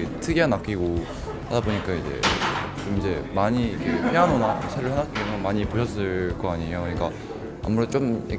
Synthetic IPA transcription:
etʰɯɡianak͈iɡo | hadaboɲik͈aid͡ʑe̞̰ | t͡ɕomid͡ʑe̞maɲiːkʰepʰiɦanonasʰeɾɯɭhenak͈iemʌnmaɲipoɕʰʌs͈ɯɭk͈ʌaɲijokɯɲik͈a | a̰muɾot͡ɕ͈om̰

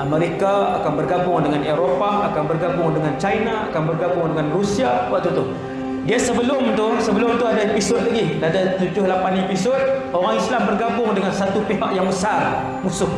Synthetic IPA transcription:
ʔaməɾikaakanbərɡabʊŋdəŋaneɾopaakanbərɡabʊŋdəŋant͡ʃajnaːkanbərɡabʊŋdəŋanrusiauaʔt̪ut̪ʊ | diasəbəlʊmt̪ʊsəbəlʊmt̪uadaepisɔd̪̚laɡidadat̪ud͡ʒʊhlapanepisɔd̪̚oɾaŋislambərɡabʊŋdəŋansat̪upeɦakjaŋbəsar | musʊh

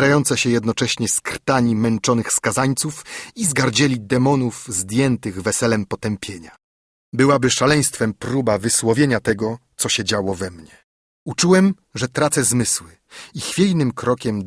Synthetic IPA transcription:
ɾajɔnt̪sɛɕɛjɛd̪nɔt͡ʂɛɕɲɛskɾt̪aɲimɛnt͡ʂɔnɘxskazaɲt̪sufizɡaɾd͡ʑɛlʲid̪ɛmɔnufzd̪ʲjɛnt̪ɘɣvɛsɛlɛmpɔt̪ɛmpʲjeɲa | bɘwabɘʂalɛj̃st̪fɛmpɾubavɘswɔvʲjeɲat̪ɛɡɔt̪sɔɕɛd͡ʑawɔvɛmɲɛ | ut͡ʂuwɛm | ʐɛt̪ɾat̪sɛzmɘswɘ | ixfʲɛjnɘmkɾɔkʲɛm

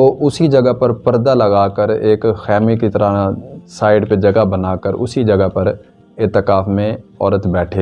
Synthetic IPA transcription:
oːʔʊsid͡ʒɐɡapəɾpəɾd̪aːləɡaːkəɾeːkxɛːmikit̪əɾasaːɪɖped͡ʒɐɡabənaːkəɾʊ̰sid͡ʒəɡapəɾ | ɪt̪ɪkaːfmẽɔːɾət̪bɛːʈʰeː

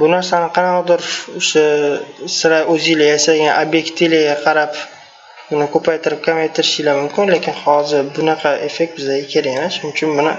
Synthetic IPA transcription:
bʊnaɾsanɪqʰɑnɒqɑd̪ɪɾoʃasɪɾajɵzɪlajaʃaɡʲanʔabje̞kt̪ʰːelaɡʲaqʰɑɾap | bʊnɪkʰɵpʰajt̪ʰɪɾɪp̚kʲʰamajt̪ʰɪɾɪʃɪlamʊmkʲɪnlekʲɪnhɒzɪɾbʊnɑqʰɑʔe̞fek̚t̪̚bɪzaɡʲɪkʲʰeɾaɡmaʃʊmɪt͡ʃʰʊnbʊnɪ

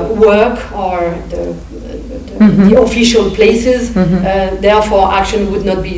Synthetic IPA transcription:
wɜ˞kɔðə | ðiɔfiʃəlpʰleɪsɪz | ðɛɹfɔɹʔakʃə̃nwʊdⁿnɔt̚b̥i

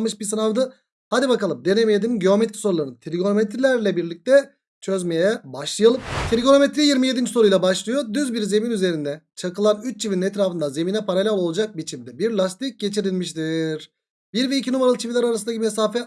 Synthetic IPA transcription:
mɯʃbiɾsɯnavd̪ɯ | had̪ibakalˠɯmd̪e̞nemejed̪iminɟeomet̪ʰɾiso̞ɾulˠaɾɯnt̪ʰiɾʲiɡo̞nomet̪ʰɾilʲæɾlʲɛbiɾlʲic̚t̪ɛ | t͡ʃʰø̞zme̞jɛbaʃlˠɯjalˠɯpt̪ʰiɾʲiɡʰo̞no̞met̪ɾijjiɾmijed̪int͡ʃso̞ɾujlˠabaʃlˠɯjod̪yzbiɾze̞minyze̞ɾind̪ɛt͡ʃʰakɯlˠanyt͡ʃt͡ʃʰivininet̪ɾaːfɯnd̪aze̞minɛpʰaɾalʲælʲˠo̞lˠad͡ʒak̚bit͡ʃʰimd̪ɛbiɾlʲast̪ic̚ɟe̞t͡ʃʰiɾilʲmiʃt̪iɾ̥ | biɾvɛicʰinumaɾalˠɯt͡ʃʰivilʲæɾaɾasɯnd̪aɟibimɛsaːfɛ

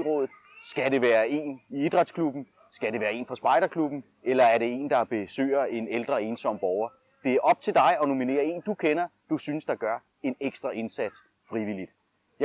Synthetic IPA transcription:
ʁɔ̽ːðð̩ˠ | sɡ̥æɾe̝ʋæːɐe̝̰ːniid̥ʁad̥skʰlub̥n̩ | sɡ̥æɾe̝ʋæːɐe̝ːnfʁɑ̈sb̥ɑ̈ɪɾ̥ɐkʰlub̥n̩ | ʔelɐæɐɾe̝e̝̰ːnd̥ɑ̈b̥e̝sø̰ːɐe̝neld̥ʁɐe̝ːnsɒ̽m̰b̥ɒʊɐ | d̥e̝æɐʔɒ̽b̥̚t͡sʰe̝ldɑ̈ɪɒ̽no̝mine̝̰ːɐe̝̰ːnd̥ukʰenɐd̥usynsd̥ɑ̈ɡ̥ɶɐ | e̝neɡ̥sd̥ʁɐʔe̝nsæd̥s | fʁiʋilid̥ | j

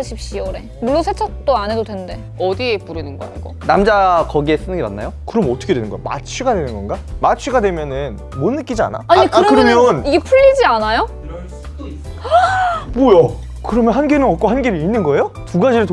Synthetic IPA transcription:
ɕʰip̚ɕ͈ioɾe̞ | muɭːosʰet͡ɕʰat͈oanedodwe̞nɯnde̞̰ | ʌdiepuɾinɯnɡoa̰niɡʌnamd͡ʑakʌɡies͈ɯnɯɡebanːa̰jokɯɾʌmʌt͈ʰʌ̥kʰedwenɯnɡʌjoma̰t͡ɕʰiɡadwenɯnɡʌnɡamat͡ɕʰɥiɡadwe̞mjʌnɯn | monːɯk͈id͡ʑia̰na̰aɲikɯɾkɯɾʌmjʌniɡe̞pʰuɭʎːid͡ʑianajo | boja | kɯɾʌmjʌnɦanɡenɯnʌt̚k͈ohanɡeɾɯinːɯnɡʌe̞jotuɡad͡ʑiɾɯt

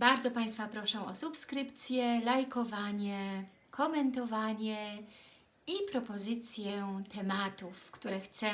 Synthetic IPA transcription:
baɾd̪zɔpaj̃st̪fapɾɔʂɛ̃ɔsupskɾɘpt̪sʲjɛlajkɔvaɲɛ | kʰɔmɛnt̪ɔvaɲɛ | ipɾɔpɔzɘt̪sʲjɛt̪ɛmat̪ufkt̪uɾɛxt̪sɛ

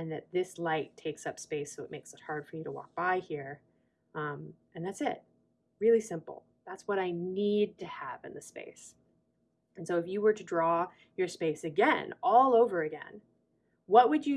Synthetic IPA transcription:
ɨ̃nðɨt̪̚ðɪslaɪtʰeɪksʌpspeɪsoʊət̚meɪksət̚hɑɹd̥fə˞jɨɾəwɔ̰k̚b̥aɪhiɹ | ʔʌ̃m | ɨ̃nðætsɪ̰t̚ | ɹɪlˠisɪ̃mpl̩ˠ | ðætswʌɾaɪnid̚tʰɨəvɨ̰̃nðɨspḛɪs | ɨ̃n̩soʊɨfjɨwə˞ɾɨdɹɔ | jə˞speɪsɨɡɛ̰̃nɔlˠoʊvə˞ɨɡɛ̰̃n | wʌt̚wɨd͡ʒɨ

